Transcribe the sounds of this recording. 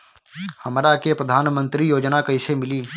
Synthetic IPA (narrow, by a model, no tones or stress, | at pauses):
hɐmɾakepɾəd̪ʱaːnmə̃nt̪ɾijoːd͡ʒnakɐɪsemɪliː